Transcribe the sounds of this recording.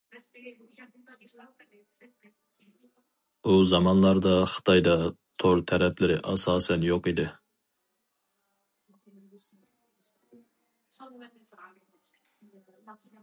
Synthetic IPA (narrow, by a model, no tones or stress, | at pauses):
uzɑmɑnlˠɑɾd̪ɑχə̥t̪ʰɑjd̪ɑ | t̪ʰoɾt̪ʰɛɾɛpʰlɪɾɪʔɑsɑːsɛnjoqid̪ɪ